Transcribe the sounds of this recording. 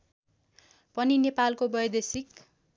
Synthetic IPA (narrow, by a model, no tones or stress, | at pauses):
pʌninepalkobʌjd̪esik